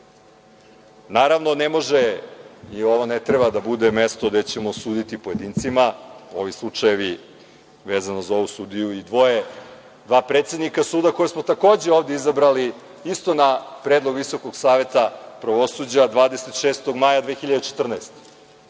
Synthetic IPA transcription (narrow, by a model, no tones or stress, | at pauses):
naːɾaʋno̞nemo̞ʒe | io̞ʋonet̪ɾebad̪abud̪emest̪od̪e̞t͡ɕemosuːd̪it̪ipoje̞d̪iːnt̪simao̞̰ʋislˠut͡ʂajeʋi | ʋeːzanozao̞ʋusud̪ijuid̪ʋo̞je | d̪ʋaːpɾet̪sed̪nikasuːd̪ako̞jesmo̞t̪ako̞ːd͡ʑe̞oːʋd̪eizabɾali | ist̪onapɾed̪lˠoɡʋiso̞koɡsaːʋe̞t̪apɾaʋo̞sud͡ʑad̪ʋaːd̪eset̪ʃeːst̪o̞ɡmajad̪vʋeːxiʎad̪et͡ʃet̪r̩naest̪e̥